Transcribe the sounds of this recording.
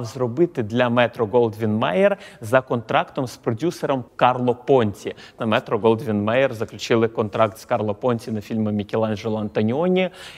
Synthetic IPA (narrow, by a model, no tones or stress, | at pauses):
wzrɔbɪt̪ɪd̪lʲɐmɛt̪ɾɔɡɔlˠd̪ʋʲinmɛjɛrzɐkɔnt̪ɾɑkt̪ɔmspɾɔdʲusɛɾɔmkɑrlˠɔpɔnʲt͡sʲi | nɐmɛt̪ɾɔɡɔlˠd̪ʋʲinmɛjɛrzɐklʲʊt͡ʃɪlˠɪkɔnt̪ɾɑk̚t̪skɑrlˠɔpɔnʲt͡sʲinɐfʲilʲmɐmʲikʲelˠɑnʒɛlˠɐɐnt̪ɐnʲɔnʲi